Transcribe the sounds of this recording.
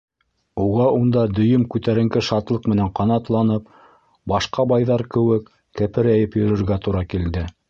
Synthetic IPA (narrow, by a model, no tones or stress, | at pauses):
uʁɑund̪ɑd̪ɵ̆jɵmkʉt̪æɾɘ̆ŋɡɘʃɑt̪lˠɤqmɘ̆næɴqɑnɑt̪lˠɑnɤp | bɑʃqɑbɑjðɑɾkɘ̆wɘkː | æ̆pɘ̆ɾæjɘpjɵ̆ɾɵ̆ɾɡæt̪uɾɑkild̪ɘ